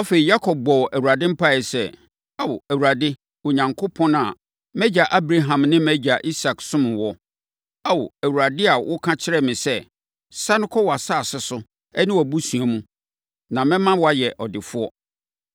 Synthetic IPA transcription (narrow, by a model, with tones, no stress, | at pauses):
a˦fe˨ɾi˨ja˦kʰɔ˨b̚ɡ͡bɔ˨wʔæ˨wu˨ɾa˨dɪ̃˦m̩˦pʰa˦˨ɛ˨sɛ˦˨ | a˦wʊ˨æ˨wu˨ɾa˨dɪ˦ | ʊ˨ɲã˨ŋkʰo˦pʰɔ̃˦nã˨ | mɛ˦d͡ʑa˨ʔa˦bɾa˦ɦã˨mnɪ̃˦mɛ˦d͡ʑa˨ʔi˦sa˨ksʊ̃˦mʊ̃˨wɔ˦ | a˦wʊ̰˨æ˨wu˨ɾa˨dɪ˦a˨wʔʊ˦kʰã˦t͡ɕʰɪ˦ɾɛ˦˨mɪ̃˨sɛ˦ | sa˦nʊ̃˦kʰɔ˦wɔ˨a˨sa˦˨sɪ˦sʊ˦ | ɛ˦nɪ̃˦wɔ˨bu˦sũ˨a˨mũ˦ | nã˨mɪ̃˦mã˦wa˦˨jɛ˨ʔɔ˨dɪ˨fʊ˦ɔ˦